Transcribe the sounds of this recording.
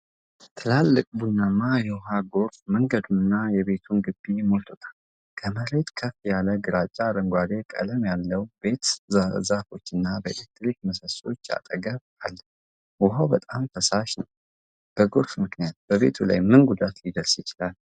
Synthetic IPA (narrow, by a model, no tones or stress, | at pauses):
t̪ʰɨlalːɨkʼbunːamajɛwɦaɡo̞ɾfməŋɡəd̪unɨnːajɛβe̞t̪ʰunɡɨbːimo̞lt̪ʰot̪ʰḁl | kʰəməɾe̞t̪kʰəfijaləɡɨɾat͡ʃʼːaːɾəŋɡʷwad̪e̞kʼə̰ləmjalːəwbe̞t̪zafo̞t͡ʃːɨnːabəḛlek̚t̪ʼɾikməsəso̞̰t͡ʃːa̰t̪ʼəɡəβ | alːə | wʊɦawbət̪ʼamt̪ʰəsaʃnəw | b̥əɡo̞ɾfmɨknijat̪̚b̥əβe̞t̪ʰula̰jmɨnɡud̪at̪lid̪əɾsjɪt͡ʃɪlal